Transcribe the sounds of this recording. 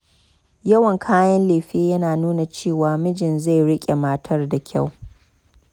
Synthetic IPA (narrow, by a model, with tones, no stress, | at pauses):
jɐ˦wɐ˨ŋkʰaː˦jɐ˦nleː˨ɸeː˦jɐ˦naː˨nuː˦na˨t͡ʃeː˦˨waː˨mɪ˦d͡ʒɪ˨nza˦˨jɽɪ˦kʲʼe˨ma˦tʰɐ˦rda˨kʲʰa̰˦˨w